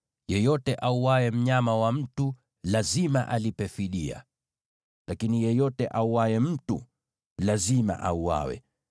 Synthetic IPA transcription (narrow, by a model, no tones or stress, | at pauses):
jɛjɔtɛʔauwaɛm̩ɲamawam̩tu | lazimaʔalipɛfiɗia̰ | lakinijɛjɔtɛʔauwaɛm̩tṵ | lazima̰ʔauwa̰wɛ̰